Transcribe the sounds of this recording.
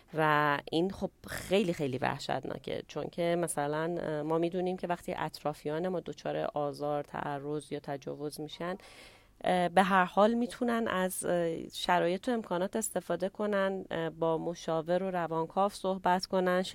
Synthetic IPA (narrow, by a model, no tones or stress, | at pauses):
væʔinχo̞b̥̚xe̞jliːxe̞jliːvæ̰hʃæ̰t̪nʔɒ̰ːcʰḛt͡ʃʰo̞̰ŋcʰe̞mæsælænmɒːmiːd̪uːniːmcʰe̞væxt̪ʰiːʔæ̰t̪ʰɾɒːfijɒːne̞mɒːd̪o̞t͡ʃʰɒːɾḛʔɒːzɒːɾt̪ʰæ̰ʔærːo̞zjɒːt̪ʰæd͡ʒɒ̰ːvo̞zmiːʃæn | be̞ɦæɾhɒːlmiːt̪ʰunænæzʃæɾɒːje̞t̪ʰoe̞mkʰɒːnɒːt̪e̞st̪e̞fɒːd̪e̞kʰo̞nænbɒːmoʃɒːve̞ɾoɾævɒːnkʰɒːfsohbæt̪ko̞næn